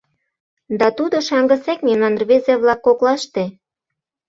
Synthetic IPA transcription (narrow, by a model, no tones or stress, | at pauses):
d̪ɑt̪ud̪oʃɑŋɡə̆sekmemnɑnrβezeβlɑkːoklɑʃt̪e